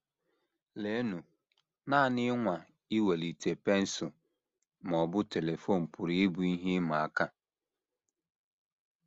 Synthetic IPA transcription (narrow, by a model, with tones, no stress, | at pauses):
le˦nu˨ | na˦˨nɪ˦ŋʷa˨ | i˦we˨li˨tʰe˨pe˦n̩˦sʊ˨ | m˨ɔ˨bʊ˦te˨le˨fo˦˨m̩˨pʊ˨ɾi˦bu˨˦i˦ɦi˦ma˨a˨ka˦˨